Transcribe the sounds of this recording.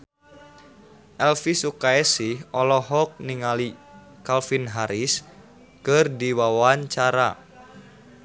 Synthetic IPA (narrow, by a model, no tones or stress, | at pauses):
ʔɛlfisukaɛsihɔlɔɦɔk̚niŋali | kalfinɦaɾis | kɨrdiwawaɲt͡ʃaɾa̰